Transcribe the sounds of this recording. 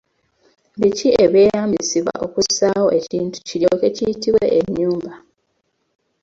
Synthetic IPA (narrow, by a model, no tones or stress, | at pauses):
βicieβe̞ːjaːmbisiβwa̰ʔo̞kusaho̞ʔe̞ciːntu̥ciɾjoke̞cijitiβwe̞̰ʔeɲːuːmba